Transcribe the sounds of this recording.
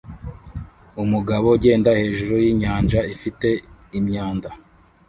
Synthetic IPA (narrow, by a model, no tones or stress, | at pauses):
umuɡaβoɟe̞ːndahe̞ːʒuɾojiːɲaːnd͡ʒaifite̞imɲaːnda